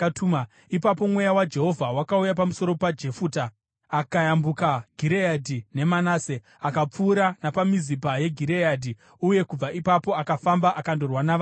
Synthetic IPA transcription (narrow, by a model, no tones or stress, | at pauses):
tuma | ipapo̞mwe̞jawad͡ʒe̞ɦo̞vʱawakaujapamuso̞ɾo̞pad͡ʒe̞fuːta | akajambukaɡʱiɾeadʱine̞manaːse | akap͡fuːɾanapamizipaje̞ɡʱiɾejadʱi | uje̞kub͡vaʔipapo̞akafambaʔakando̞rwanaʋa